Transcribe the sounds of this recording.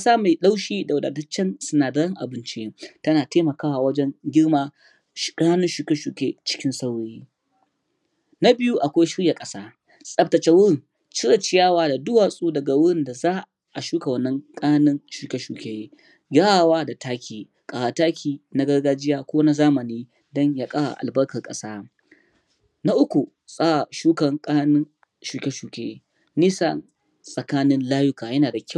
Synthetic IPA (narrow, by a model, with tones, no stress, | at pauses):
kɐ˦saː˦ma˨jɗa˦wʃiː˦da˨wʊ˨da̰ː˨dɐ˦t͡ʃːɛ˦nsʊ˦naː˨dɐ˦ɽɐ˦ŋʔa˨bɪ˦nt͡ʃɪ˦je˦tɐ˦naː˨teː˦mɐ˨kaː˦wa˨wɐ˦d͡ʒɛ˦ŋɡʲɪ˦ɽmaː˦˨ | kʼɐ˦naː˦nɪ˦nʃu˨kɐ˦ʃuː˨kʲeː˦t͡ʃɪ̥˦kʲɪ˦nsa˦wɽiː˦ | na˦bɪ˦ju˦ʔa˨kʷa˦jʃɪ˦ɽja˨kʼɐ˦saː˦ | sʼɐ˨˦p̚tɐ˨t͡ʃɛ˦wʊ˦ɽɪ˨ŋ | t͡ʃɪ˦ɽa˨t͡ʃɪ˦jaː˦waː˦da˨dʊ˦waː˨sʼuː˦dɐ˨ɡa˨wʊ˦ɽɪ˦˨nda˨zaː˦ | ʔa˨ʃuː˦ka˨wɐ˨nːɐ˦ŋkʼɐ˦a˦nɪ˦nʃuː˨kʲe˦ʃuː˨kʲe˨je˦ | ɡʲaː˦a˨waː˦da˨taː˦kʲʰiː˨ | kʼa˨wa˨taː˦kʲʰiː˨na˦ɡɐ˦rɡaː˦d͡ʒɪ˦jaː˦kʷoː˦na˦zaː˦mɐ˨niː˦ | dɔ˦ɲja˨kʼa˦wa̰˨ʔa̰˨lbɐ˦rkɐ˨rkʼɐ˦saː˦ | na˦ʔʊ˦kʷu˨ | sʼaː˦a˨ʃuː˦kɐ˨ŋkʼa˦a˦nɪ˦n | ʃuː˨kʲe˦ʃuː˨kʲeː˦ | niː˦sa̰˦n | sʼɐ˨kaː˦nɪ˦nlaː˦jʊ˦kaː˨jɐ˦naː˨da˨kʲa˦˨